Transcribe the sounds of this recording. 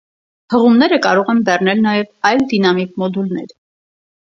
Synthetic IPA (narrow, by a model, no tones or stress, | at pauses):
həʁumnɛɾəkɑɾɔʁɛnbɛrnɛlnɑjɛvɑjld̪inɑmikmɔd̪ulnɛ̰ɾ